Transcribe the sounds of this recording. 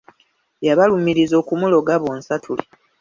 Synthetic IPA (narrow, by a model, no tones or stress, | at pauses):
jaβalumiɾizo̞ːkumulo̞ɡaβonsatʰuli